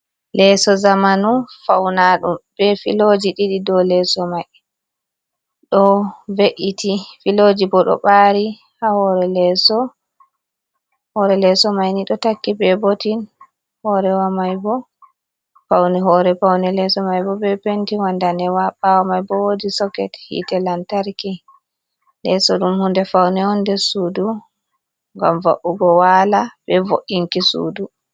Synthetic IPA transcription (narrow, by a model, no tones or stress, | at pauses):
lɛsɔzamanufawnaɗṵmb̥ɛfḭlod͡ʒiɗiɗidɔlɛsɔmaj | ɗɔveʔitʰifilod͡ʒibɔɗɔ̰ɓaɾi | hahɔɾɛlɛsɔ | hɔɾɛlɛsɔmajniɗɔtakːibɛbotin | hɔɾɛwamajbɔ | fawnɛɦɔɾɛpawnɛlɛsɔmajbɔbɛpentiwandanɛwaɓawamajbɔwodisɔkɛthḭtɛlantaɾki | lɛsɔɗumhundɛfawnɛɔndɛsuːdu | ŋɡamva̰ʔuɡɔwaːlabɛvo̰ʔiŋkisṵːdu